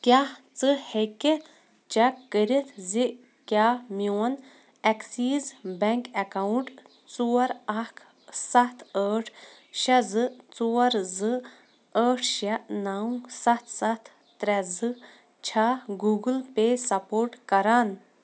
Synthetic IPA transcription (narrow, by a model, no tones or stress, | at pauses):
kʲjaht͡sɨhekːe | t͡ʃɛkːəɾit̪ʰzi | kʲjaːmiwɐn | ɛksiːzbɛŋkɛkawuɳʈ | t͡suɐɾɐkʰ | sɐt̪ʰəːʈʰ | ʃɐzɨt͡suːɐɾzɨ | əːʈʰʃɐʔnaːwsɐt̪ʰsɐt̪ʰːɾɛzɨ | t͡ʃʰaːɡuːɡɨlpesɐpoːɾʈkɐɾaːn